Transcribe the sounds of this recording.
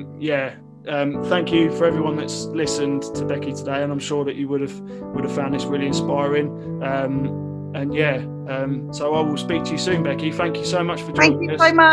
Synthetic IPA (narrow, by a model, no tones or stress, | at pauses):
jæ | ʌ̃mθæ̃ŋkʰjəfəɹɛvɹiwʌ̃nðətslɪsə̃ntʰəbɛkitʰədeɪə̃nãɪ̃mʃɔːðət͡ʃəwʊɾəv̥ | wʊɾəv̥fãʊ̃nðɪsɹɪːliɪ̃nspaɪɹɪ̃ŋ | ʌ̃m | ə̃njæ | ʌ̃msəʊaɪwɪlˠspiˑk̚tʰəjəsʉ̃ːnbɛkiθæ̃ŋkʰjəsəʊmʌt͡ʃfəd͡ʒæ̃ŋkjəʊmʌ